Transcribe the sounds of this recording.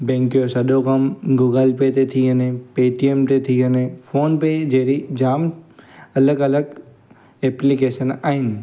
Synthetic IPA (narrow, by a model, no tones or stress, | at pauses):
bẽːŋkijosɐɗ̪okəmɡuːɡəlpet̪et̪ʰiənẽpeːʈiemt̪et̪ʰiənẽfʰoːnped͡ʒeːɾid͡ʒaːm | ɐləɡələɡ | eːplikeːʃənaːɦɪnɪ